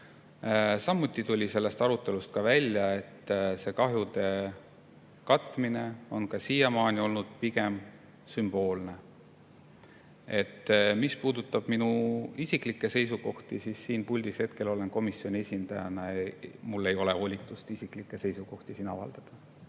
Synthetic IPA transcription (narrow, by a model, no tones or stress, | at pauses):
sɑmːut̪ˑːit̪ulʲise̞lːe̞st̪ɑɾut̪ːˑe̞lust̪̚kɑvælʲjɑe̞t̪ːse̞kɑɦjud̪e̞ | kɑt̪ːˑmine̞o̞nkɑsiːjɑmɑːnʲio̞lnud̪̥̚piɡ̥e̞m | symb̥o̞ːlne̞ | e̞t̪ːmispuːd̪ut̪ːˑɑb̥minuisiklikːˑe̞se̞jsuko̞ht̪isisːiːnpulʲd̪̥ishe̞t̪ke̞lo̞le̞nko̞misjo̞nʲie̞sʲind̪̥ɑjɑnɑmulːe̞jo̞le̞o̞lʲit̪ːˑust̪isiklikːˑe̞se̞jsuko̞ht̪isinɑ̰vɑ̰ld̪̥ɑd̪̥ɑ